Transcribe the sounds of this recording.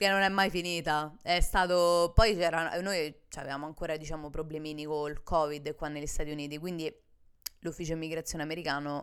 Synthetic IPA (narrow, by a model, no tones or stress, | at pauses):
kenːonɛmːajfiniːt̪aɛst̪aːt̪opɔjt͡ʃɛːɾanojt͡ʃa̰vḛvaːmoaŋkoːɾad̪it͡ʃaːmopɾoblemiːnikolkɔːvid̪kwanːeʎːist̪aːt̪iuniːt̪ikwind̪i | lufːiːt͡ʃoimiɡɾat̪sːjoːneameɾikaːno